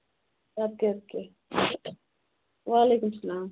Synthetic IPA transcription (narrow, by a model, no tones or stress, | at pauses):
jat̪̚keɐt̪̚ke | ʋaːlekumsɐlaːm